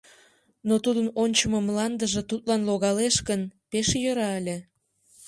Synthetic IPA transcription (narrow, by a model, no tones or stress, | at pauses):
not̪ud̪ənonʲt͡ɕəməmlɑnd̪əʒet̪ut̪̚lɑnloɣɑleʃkənpeʃjəɾɑəlʲe